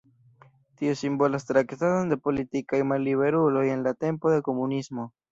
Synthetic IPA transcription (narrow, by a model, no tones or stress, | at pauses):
tiusimbo̞last̪ɾakt̪azond̪epo̞litikajmalːiβe̞ɾulo̞je̞nlate̞mpo̞ðeko̞munismo̞